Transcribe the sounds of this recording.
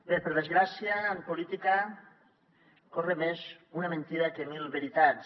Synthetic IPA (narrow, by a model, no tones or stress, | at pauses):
peɾpeɾð̞ezɣɾasiaːmpolit̪ika | koremez | unamẽnt̪iɾakemilˠβeɾit̪as